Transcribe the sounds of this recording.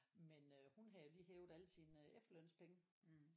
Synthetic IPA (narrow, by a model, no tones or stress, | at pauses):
menøhunɦɑjo̝liːɦɛːʊð̩ˠæləsiːnefd̥lœn̰spʰeŋə